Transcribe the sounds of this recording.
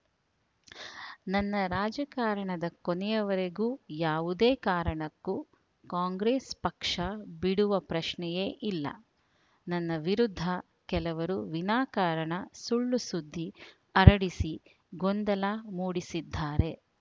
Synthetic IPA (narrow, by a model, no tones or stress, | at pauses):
nɐnːɐɾaːd͡ʒɐkaːɾɐɳɐd̪ɐkonɛjɐʋɐɾeɡuːjaːʋud̪eːkaːɾɐɳɐkːu | kaːŋɡɾeːspɐkʂɐbiɽuʋɐpɾɐʃnɛjeːʔilːɐ̰ | nɐnːɐʋiɾud̪ʱːɐ | kɛlɐʋɐɾuʋinaːkaːɾɐɳɐsuɭːusud̪ʱːi | ɐɾɐɽisi | ɡond̪ɐlaːmuːɽisid̪ʱːaːɾe̞